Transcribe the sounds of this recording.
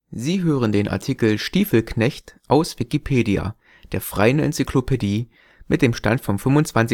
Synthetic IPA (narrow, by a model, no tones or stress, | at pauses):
ziːɦøːʁ̞əndeːnʔa̰ɐtʰikl̩ʃtiːfl̩knɛçtʔaʊsv̥ikipʰeːdia̰ | d̥eːɐfʁ̥a̰ɪənɛ̰nt͡sikʰl̥opʰediː | mɪt̚d̥eːmʃta̰ntfɔmfʏmvʊnt͡sv̥ant͡sɪ